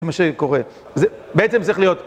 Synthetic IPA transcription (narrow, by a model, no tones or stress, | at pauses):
maʃeko̞ʁe | zebeet͡semt͡sʁiχlijo̞t̪